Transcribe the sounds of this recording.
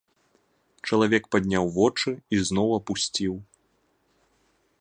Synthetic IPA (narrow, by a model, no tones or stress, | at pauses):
t͡ʂɐlˠavʲɛkpad̪ʲnʲawvɔt͡ʂɨiznɔwɐpusʲt͡sʲiw